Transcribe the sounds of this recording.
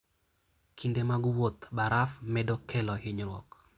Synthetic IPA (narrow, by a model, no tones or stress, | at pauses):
kʰindemaɡwot̪baɾafmɛdɔkʰɛlɔɦɪɲɾwɔ̰k